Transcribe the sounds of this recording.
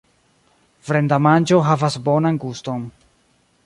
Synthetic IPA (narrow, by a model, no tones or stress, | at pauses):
vɾendamant͡ʃo̞ɦavasbo̞nanɡusto̞n